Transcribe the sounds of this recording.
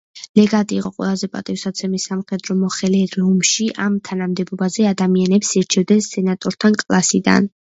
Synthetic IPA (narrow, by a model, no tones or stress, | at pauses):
lɛɡat̪ʼiːqʼɔqʼwɛ̰lˠazɛpʼa̰t̪ʼifsat̪sʰɛmisamχɛd̪ɾɔmɔχɛlɛɾumʃiʔamt̪ʰanamd̪ɛbɔbazɛad̪amianɛpsiɾt͡ʃʰɛvd̪ɛnsɛnat̪ʼɔɾt̪ʰankʼlˠasid̪a̰n